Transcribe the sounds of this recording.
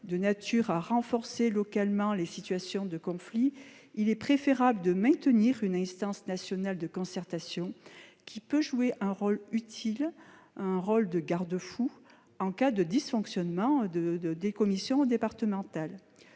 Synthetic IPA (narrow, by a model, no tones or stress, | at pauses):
d̪ənat̪yʁaʁɑ̃fɔʁselɔkalmɑ̃lesit̪ɥasjɔ̃d̪əkɔ̃fli | ilɛpχefeʁabləd̪əmɛ̃t̪əniʁynɛ̃st̪ɑ̃snasjɔnald̪əkɔ̃sɛʁt̪asjɔ̃kʲʰipøʒueʔɛ̃ʁɔlyt̪ʰil | ɛ̃ʁɔld̪əɡaʁd̪əfu | ɑ̃kad̪əd̪isfɔ̃ksjɔnmɑ̃d̪əd̪ekɔmisjɔ̃d̪epaʁt̪əmɑ̃t̪al